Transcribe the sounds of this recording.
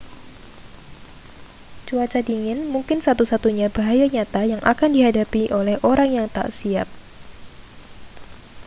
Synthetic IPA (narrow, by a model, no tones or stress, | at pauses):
t͡ʃuat͡ʃadiŋɪnmuŋkɪnsat̪usat̪uɲabaɦajaɲat̪ajaŋʔa̰kandiɦadapiʔolɛhʔoɾaŋjaŋt̪a̰ʔsiap̚